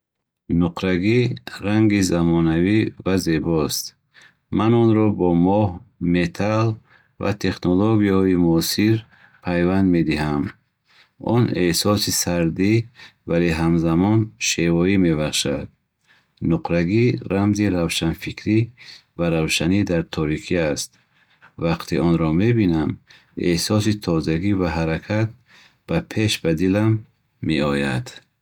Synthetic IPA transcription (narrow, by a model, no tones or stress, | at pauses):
nuqʰɾaɡiɾaŋɡizamɔnavivaze̞bɔst̪ | manɔnɾɔbɔmɔhmet̪ʰal | va̰t̪ʰe̞χnoloɡijahɔimuɔsiɾ | pʰajvand̪me̞d̪iɦam | ɔnehsɔsisaɾd̪ivaleɦamzamɔnʃevɔime̞baχʃad̪ | nuqɾaɡiɾamziɾavʃanfikʰɾivaɾavʃanid̪aɾt̪ʰɔɾikʰiast̪ | vaqt̪ʰiʔɔnɾɔme̞binam | ḛhsɔs̬it̪ʰɔzaɡivaɦaɾakʰat̪̚ | b̥apʰe̞ʃbad̪ilamː | eɔja̰d̪̥